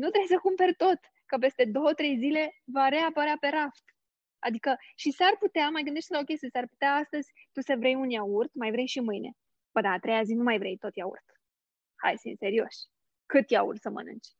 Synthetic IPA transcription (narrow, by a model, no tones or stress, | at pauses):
nut̪ɾe̞jsəkumperʲt̪o̞t̪ | kəp̬e̞st̪e̞d̪o̞wət̪ɾe̞jzile̞vaɾe̞apəɾeape̞ɾaft̪ | a̰d̪ikəʃisarput̪eamajɡɨnd̪eʃt̪ʲlao̞kʲest̪jesarpu̥t̪eaast̪əzʲt̪usəvɾejunjaurt̪majvɾejʃimɨjne̞̰ | b̥əd̪aːt̪ɾe̞jazinumajvɾejt̪o̞t̪jaṵrt̪ | ha̰jsḭnse̞ɾio̞̰ʃʲ | kɨt̪ja̰ṵrt̪səmə̰nɨ̰nt͡ʃʲ